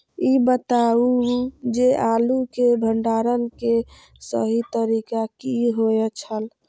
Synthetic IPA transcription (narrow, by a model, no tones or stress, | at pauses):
ibət̪aud͡ʒeʔalukeɖʱəɳɖaɾənke | sə̰ɦit̪əɾikakiɦoɛt͡ʃʰəl